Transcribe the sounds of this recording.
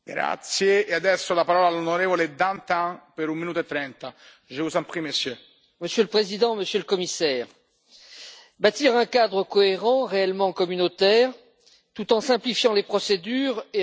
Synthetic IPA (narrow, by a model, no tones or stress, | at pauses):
ɡɾa̰t̪sjeːad̪ɛsːolapaɾɔlalonoɾevoled̪ant̪apeɾumːinut̪oet̪ːɾɛnt̪a | ʒeusãmpχimesjø | məsjøləpχezid̪ɑ̃məsjøləkɔmisɛːʁ | bat̪iʁɛ̃kad̪ʁəkɔeʁɑ̃ʁeɛlmɑ̃kɔmynot̪ɛʁ | t̪ut̪ɑ̃sɛ̃plifjɑ̃lepχɔsed̪yːʁe